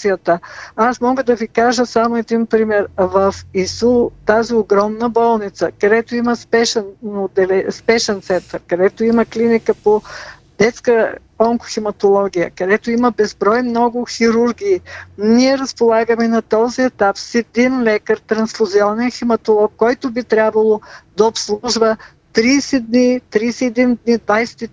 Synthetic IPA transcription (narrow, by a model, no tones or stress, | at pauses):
ijət̪əasmɔɡəd̪ɐvikaʒəsamoɛd̪inpɾimɛɾvɐfisut̪azioɡɾɔmnəbɔlˠnit̪səkɐd̪ɛt̪oiməspɛʃɛnod̪ɛlɛspɛʃɛnt̪sɛnt̪əɾkɐd̪ɛt̪oiməklinikəpo | d̪ɛt̪skə | ɔŋkʊ̥ximɐt̪olˠɔɡʲijə̰kɐd̪ɛt̪oiməbɛzbɾɔjmnɔɡʊxiɾuɾɡʲiːniɛɾɐspolˠaɡəmɛnɐt̪ɔziɛt̪apsɛd̪inlɛkəɾt̪ɾɐnsfʊziɔnɛnximɐt̪olˠɔkːɔjt̪ʊbit̪ɾʲabvəlˠod̪ɐopslˠuʒvə | t̪ɾiːsɛd̪nit̪ɾiːsɛɛd̪ind̪nid̪vajsɛ̥t̪i